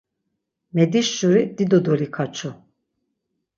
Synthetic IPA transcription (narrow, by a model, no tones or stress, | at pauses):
mɛd̪iʃːuɾid̪id̪ɔd̪ɔlikʰat͡ʃʰu